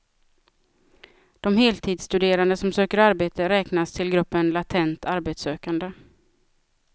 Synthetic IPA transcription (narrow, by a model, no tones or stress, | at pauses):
d̪̥ɔmheːlt̪ʰiːd̪st̪ɵd̪eːɾand̪əsɔmsøːkəɾaɾbeːt̪əɾɛːknast̪ʰɪlɡɾɵpːənlat̪ʰɛnt̪aɾbeːt̪søːkand̪ə